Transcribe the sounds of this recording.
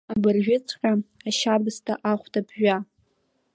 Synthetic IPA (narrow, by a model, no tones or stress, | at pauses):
abɨrʒʷᶣʊt͡sʰʼqʲʼaaʃabɨstʰʼaʔaχʷtʰabʰʒᶣa